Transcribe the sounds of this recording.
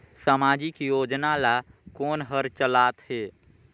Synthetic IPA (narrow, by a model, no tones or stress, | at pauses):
səmaːd͡ʒikijoːd͡ʒnalakoːnɦəɾt͡ʃəlaːt̪heː